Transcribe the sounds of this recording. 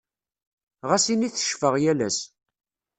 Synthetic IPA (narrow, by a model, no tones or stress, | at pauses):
ʁasiniθə̥ʃfəʁjælæs